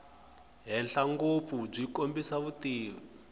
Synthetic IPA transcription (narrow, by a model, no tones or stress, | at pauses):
ɦɛɬaŋɡop̪fub͡ʐikombisaβutiː